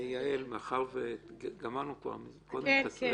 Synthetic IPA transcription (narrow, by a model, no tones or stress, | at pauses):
jaelmeaχaʁveɡamaʁnukva̰ʁmikod̪emas